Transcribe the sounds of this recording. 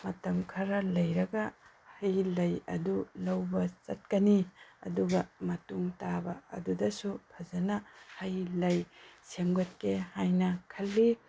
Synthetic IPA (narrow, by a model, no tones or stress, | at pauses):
mɐtɐmkʰɐɾɐlɐjɾɐɡɐ | hɐjlɐjɐ̰dulɐwbɐt͡ʃɐt̚kɐniɐ̰duɡɐmɐtuŋtabɐɐ̰dudɐsubʰɐzɐnɐhɐjlɐjsemɡɐt̚kehajnɐkʰɐlːi